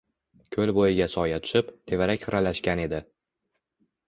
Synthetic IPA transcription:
kʲʰɵlbojɪɡʲasɒjat̪ʰʊ̥ʃɪpt̪ʰe̞vaɾakʲχɨɾalaʃkʲane̞d̪ɪ

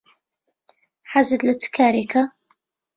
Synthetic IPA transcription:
ħazəd̪lət͡sːkaɾɪka

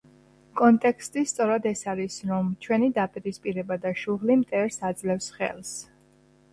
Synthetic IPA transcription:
kʼɔnt̪ʼɛkʰst̪ʼist̪sʼɔɾad̪ɛsaɾisɾɔmt͡ʃʰwɛnid̪apʼiɾispʼiɾɛbad̪aʃuʁlimt̪ʼɛɾsad̪zlɛfsχɛ̰lˠs

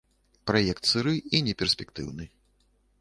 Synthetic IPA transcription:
pɾajɛkt̪sɨɾɨinʲɛpʲɛrsʲpʲɛkt̪ɨ̰wnɨ

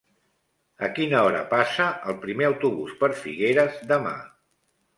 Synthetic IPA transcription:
əkinəɔɾə̰pasəəlˠpɾimeəwt̪uβuspəɾfiɣeɾəzðəma̰

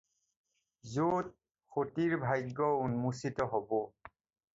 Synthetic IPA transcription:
zot̚ | xotiɹbʱajɡːɔunmusitɔɦobɔ

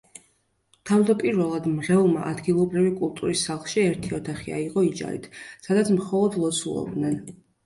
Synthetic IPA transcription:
t̪ʰavd̪apʼiɾvɛlˠad̪mʁɛlˠma̰ʔad̪ɡilˠɔbɾivikʼulˠt̪ʼuɾisːalˠχʃiɛɾt̪ʰiɔt̪ʰaχia̰iqʼɔid͡ʒa̰ɾḭt̪ʰsad̪at̪sʰmχɔlˠɔd̪lˠɔt̪sʰṵlˠɔ̰b̚d̪nɛn

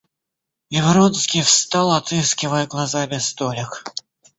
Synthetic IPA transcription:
ɪvɾonskʲijfst̪ɑlˠɐt̪ɨskʲɪvəjəɡlˠazabʲɪst̪olʲɪk

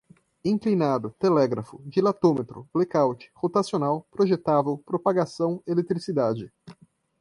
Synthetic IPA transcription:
ĩŋklinad̪ʊt̪elɛɡɾɐfʊd͡ʒilat̪omet̪ɾʊ̰b̥lekawt͡ʃɪ̥hot̪asionawpɾoʒet̪avewpɾopaɡasɐ̃w̃elet̪ɾisid̪ad͡ʒɪ

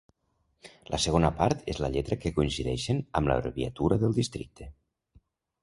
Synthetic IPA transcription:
lʔə̰səɣ̞onəpaɾt̪ʰezləʎɛt̪ɾəkekuinsiðɛ̰ʃenəmlə̰ɾβiat̪uɾəðəlˠd̪ist̪ɾḭk̚t̪ʰe

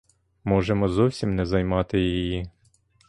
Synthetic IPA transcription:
mɔʒemɔzɔwsʲimnɛzɐjmɑt̪ɪjiiji

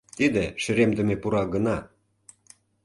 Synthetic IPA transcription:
t̪id̪eʃə̆ɾemd̪ə̆mepuɾɑɡənɑ

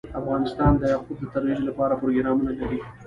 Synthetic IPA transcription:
afɣɑnɪst̪ɑnd̪əhaqud̪̚d̪ət̪aɾwid͡ʒolapɑɾapɾoɡɪɾɑmənalaɾi

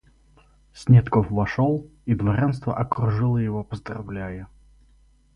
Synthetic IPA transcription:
sʲnʲet̪kofvɐʂolˠid̪vɐɾʲanst̪və̰ʔɐkɾʊʐɨlˠəjɪvopəzd̪ɾrɐ̰vlʲæjə

